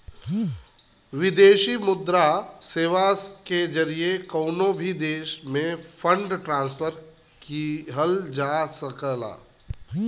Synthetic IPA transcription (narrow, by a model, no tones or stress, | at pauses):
ʋɪd̪eːʃimʊd̪ɾaseːʋaked͡ʒɐɾiekəːnobʱid̪eːʃmẽpʰə̃ɳɖʈɾãːnspʰəɾ | kiɦəld͡ʒaːsəkəla̰ː